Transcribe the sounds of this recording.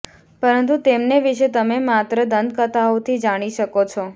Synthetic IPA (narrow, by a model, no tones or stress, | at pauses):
pəɾənt̪̬ut̪emneʋiʃet̪əmemat̪ɾəd̪ənd̪̚kət̪aot̪ʰid͡ʒaɽ̃iʃəkot͡ʃʰɔ